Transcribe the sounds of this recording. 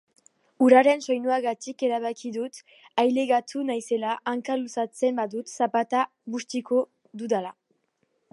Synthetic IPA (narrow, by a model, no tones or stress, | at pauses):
uɾaɾe̞nso̞jnuaɣat̪ike̞ɾaβ̞akiðut̪ | ajleɣat̪ʰunajse̞laʔaŋkalusat͡se̞mbaðut̪sapat̪a | βust̪iko | d̪uðala